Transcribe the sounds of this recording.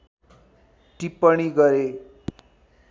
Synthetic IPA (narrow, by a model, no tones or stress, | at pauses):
ʈipːʌɽ̃iɡʌɾe